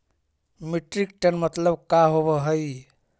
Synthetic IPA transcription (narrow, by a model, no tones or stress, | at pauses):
miʈɾikʈənmət̪ləbkaɦoβəɦəj